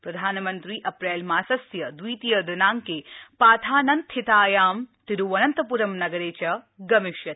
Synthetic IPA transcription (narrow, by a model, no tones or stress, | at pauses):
pɾɐd̪ʱaːnɐmɐnt̪ɾiːʔɐpɾeːlmaːsɐsjɐd̪ʋiːt̪ijɐd̪ɐnaːŋkeːpaːt̪ʰaːnɐnt̪ʰːit̪aːjaːmt̪iɾuʋɐnɐnt̪ɐpuɾɐmnɐɡɐɾeːt͡ʃɐ | ɡɐmiʃjɐt̪